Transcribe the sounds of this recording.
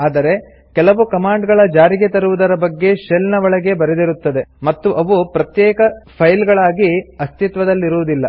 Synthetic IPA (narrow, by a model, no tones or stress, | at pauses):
aːd̪ɐɾe̞ | kɛlɐʋukɐmaːɳɖɡɐɭɐd͡ʒaːɾiɡe̞t̪ɐɾuʋud̪ɐɾɐbɐɡːe̞ʃelnɐʋɐɭɐɡe̞bɐɾed̪iɾut̪ːɐd̪e̞mɐt̪ːuʔɐʋupɾɐt̪jɛːkɐpʰɐjlɡɐɭaːɡiɐst̪it̪ʋɐd̪ɐlːiɾuʋud̪ilːɐ